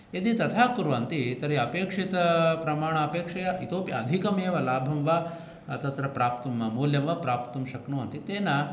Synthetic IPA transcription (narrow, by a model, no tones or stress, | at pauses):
et̪it̪ɐt̪ʰaːkuɾuʋɐnt̪it̪ɐɾiɐpeːkʂit̪ɐpɾɐmaːɳɐːpeːkʂɐjɐit̪oːpiɐd̪ʱikɐmeːʋɐlaːbʱɐmʋaː | t̪ɐt̪ɾɐpɾaːpt̪ɐmmuːljɐmʋɐpɾaːpt̪ɐmʃɐknuːɐnt̪it̪eːnɐ